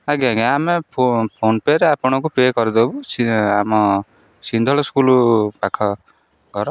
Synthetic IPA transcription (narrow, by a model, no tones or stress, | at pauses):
aɡaɡeameppʰonpeɾeapɔɽ̃ɔkupekɔɾid̪obusiamɔ | sind̪ʱɔɭɔskulupakʰɔ | ɡɔɾɔ